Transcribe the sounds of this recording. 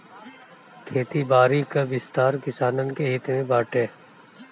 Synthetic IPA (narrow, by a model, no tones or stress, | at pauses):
kʰeːt̪ibaːɾikabɪst̪aːɾkɪsaːnənkeeːt̪emẽbaːʈeː